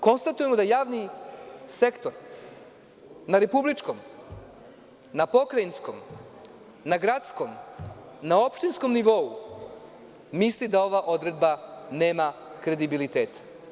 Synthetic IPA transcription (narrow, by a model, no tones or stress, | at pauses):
ko̞nst̪at̪uje̞mo̞d̪ajaːʋnise̞kt̪o̞ɾ | naɾe̞publit͡ʃko̞m | napo̞kɾainsko̞̰m | naɡɾat̪sko̞m | nao̞pʃt̪insko̞mniʋo̞u | mislid̪ao̞ʋaʔo̞d̪ɾe̞d̪bane̞ːmakɾe̞d̪ibilit̪e̞ːt̪ḁ